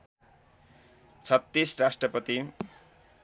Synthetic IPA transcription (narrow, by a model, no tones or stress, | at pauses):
t͡sʰʌt̪ːisrasʈrʌpʌt̪i